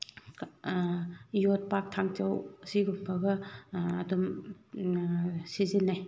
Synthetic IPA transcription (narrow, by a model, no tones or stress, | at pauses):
jot̚pak̚tʰaŋt͡ʃawsiɡumpʰɐɡɐɐdum | sizinːaj